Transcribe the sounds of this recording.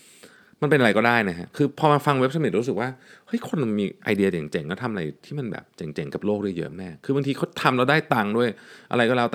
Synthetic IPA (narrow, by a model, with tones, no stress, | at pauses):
ma˧npe˧nʔa˧jkɔː˥˩daː˥˩jna˦˥kʰa˦˥kʰɯː˧pʰɔː˧maː˧fa˧ŋwe˦˥p̚sa˧mi˨˩t̪̚ɾuː˦˥sɯ˨˩k̚waː˥˩ha˦˥jkʰo˧nː˧miː˧ʔa̰˧jdi˧ɐt͡ɕe˨˩˦ŋt͡ɕe˨˩˦ŋlɛ˦˥˩t̪ʰa˧mʔɾa˧jt̪ʰiː˥˩ma˧nbɛ̰ː˨˩p̚t͡ɕe˨˩˦ŋt͡ɕe˩˦ŋka˨˩p̚loː˥˩k̚dɯ˧˩jɯ̰˦˥ʔmɛː˥˩kʰɯː˧ba˧ŋt̪ʰiː˧kʰa˦˥t̪ʰa˧mlɛ˦˥˩wdaː˥˩jt̪a˧ŋdu˥˩əjʔa̰˧ɾa˧jkɔː˥˩lɛː˦˥˩t̪